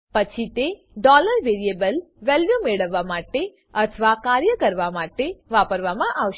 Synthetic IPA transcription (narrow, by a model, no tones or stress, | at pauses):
pət͡ʃʰit̪e | ɖɔləɾʋeɾiebəl | ʋɛljumeɭəʋːamaʈe | ət̪ʰəʋakaɾjəkəɾʋamaʈeʋapəɾʋamãʔaʋʃ